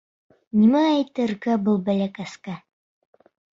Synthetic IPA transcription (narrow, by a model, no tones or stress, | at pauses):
nimæːjt̪ɘ̆ɾɡæbɤlˠbælʲækaska